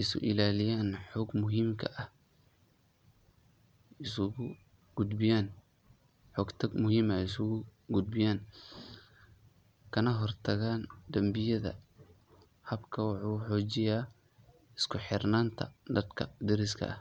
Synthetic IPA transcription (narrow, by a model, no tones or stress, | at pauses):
ɪsʊ̰ʔɪlaːlɪjaːnħɔːɡmʊɦiːmkʰɐʔɐh | ɪsʊɣʊ | ɡ̥ʊd̪bɪjaːn | ħɔːɡt̪ʰɐɡmʊhiːmɐɪsʊɣʊɡʊd̪̚bɪjaːn | kʰɐnɐɦɔrt̪ʰɐɣaːnd̪ɐmbɪjɐðɐ̰ | hɐbkʰɐwɑħuːħɔːt͡ʃɪjaː | ɪskʰʊħɪrnaːnt̪ʰɐ̰d̪ɐd̪kʰɐ̰d̪ɪɾɪskʰɐ̰ʔɐ̰h